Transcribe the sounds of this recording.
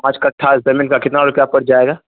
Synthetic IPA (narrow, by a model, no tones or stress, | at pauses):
mat͡ʃkaʈʰaːsbɐmɪnkakɪt̪naɔɾkjapəɾd͡ʒaːeːɡaː